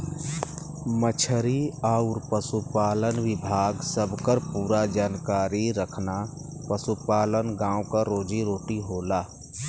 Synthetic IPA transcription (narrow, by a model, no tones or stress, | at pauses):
mət͡ʃʰəɾiaʊɾpəsupaːlənwɪbʱaːɡsəbʱkəɾpuːɾad͡ʒaːnkaːɾiɾəkʰnapəsupaːlənɡãːõkaɾoːd͡ʒiɾoːʈiɦoːlaː